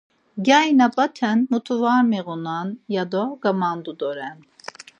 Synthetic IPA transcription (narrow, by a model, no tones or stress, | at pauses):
ɡʲajnapʼat̪ʰɛnmut̪ʰuvaɾmɛɣunanjad̪ɔɡamand̪ud̪ɔɾɛn